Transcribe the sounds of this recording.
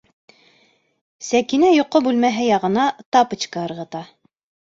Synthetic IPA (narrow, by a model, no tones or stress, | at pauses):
sækinæjŏqːobʉlmæɦɘjɑʁɤ̆nɑt̪ɑpɤ̆t͡ɕkɑɤ̆ɾʁɤ̆t̪ɑ